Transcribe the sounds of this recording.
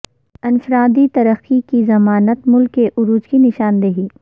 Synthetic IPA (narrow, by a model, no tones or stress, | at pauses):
ɪnfɾaːd̪it̪ɐɾəxikizɐmaːnət̪mʊlkːeʔʊɾuːd͡ʒkinɪʃaːnd̪eɦiː